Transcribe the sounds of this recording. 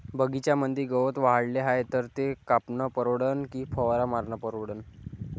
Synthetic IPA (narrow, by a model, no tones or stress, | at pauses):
bəɡit͡ɕjamənd̪iːɡəʋət̪ʋaɦaɽleɦajet̪əɾt̪ekapnəpəɾoɽənkiːpʰəʋɾamaɾɳəpəɾoɽən